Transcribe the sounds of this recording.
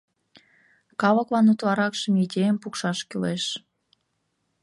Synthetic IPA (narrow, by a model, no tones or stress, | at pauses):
kɑlə̆klɑnut̪lɑɾɑkʃə̆midʲejəmpukʃɑʃkyleʃ